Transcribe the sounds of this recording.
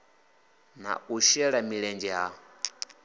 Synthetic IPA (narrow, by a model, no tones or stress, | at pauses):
na̰uʃɛɺamiɺɛnd͡ʒɛɦa